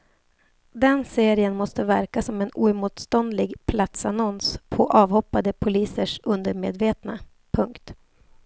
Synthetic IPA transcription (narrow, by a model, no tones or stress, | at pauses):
d̪ɛnseːɾɪənmɔst̪əvæɾkasɔmɛnṵːɛɾmuːt̪st̪ɔnd̪lɪɡpʰlat̪sanɔnspʰɔʔɑːvhɔpːad̪əpʰʊliːsəʂɵnd̪əɾmeːd̪veːt̪na | pʰɵŋkt̪